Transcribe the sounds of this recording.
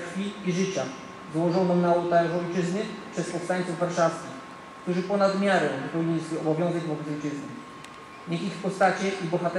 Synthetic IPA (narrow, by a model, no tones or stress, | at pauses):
fʲiiʐɘt͡ɕa | zwɔʐɔ̃wnɔnaɔt̪alɛʐɔjt͡ʂɘznɘpʂɛspɔfst̪aɲt̪suvːaɾʂafskʲix | kt̪uʐɘpɔnad̪mʲjaɾɛvpɔvʲiɲilʲiswɘɔbɔvʲjɔ̃w̃zɛɡvɔbɛt̪ɔjt͡ʂɘznɛ | ɲɛxixpɔst̪at͡ɕɛʔibɔxat̪ɛ